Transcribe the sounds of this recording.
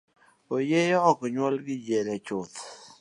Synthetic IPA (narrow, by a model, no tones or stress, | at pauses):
ojɛjɔɔkɔɲwɔlɡɪd͡ʒɛlɛt͡ʃʊt̪